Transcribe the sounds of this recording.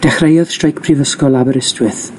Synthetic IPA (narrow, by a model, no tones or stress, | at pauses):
d̥ɛχrejɔð̥strejkpʰrivəskɔlˠabəɾɪstwɨθ